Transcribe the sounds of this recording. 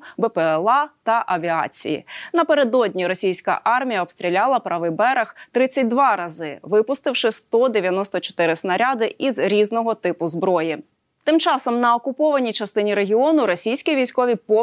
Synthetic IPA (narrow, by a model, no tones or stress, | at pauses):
bɛpɛɛlˠɑt̪ɐʔɐʋʲiɑ̰t͡sʲḭjḭnɐpeɾed̪ɔdʲnʲiɾɔsʲijsʲkɐ̰ʔɑrmʲijɐɔbst̪ɾʲilʲɑlˠɐpɾɐʋɪbɛɾɐxt̪ɾɪt͡sʲːɐt̚ʲd̪ʋɑɾɐzɪʋɪpʊst̪ɪwʃɪst̪ɔd̪eʋʲjɐnɔst̪ɔt͡ʃɔ̥t̪ɪɾɪsnɐɾʲɑd̪ɪʔizɾʲiznɔɦɔt̪ɪpʊzbɾɔji | t̪ɪmt͡ʃɑsɔmnɐɔkʊpɔʋɐnʲijt͡ʃɐst̪ɪnʲiɾeɦʲiɔnʊɾɔsʲijsʲkʲiʋʲijsʲkɔʋʲipɔ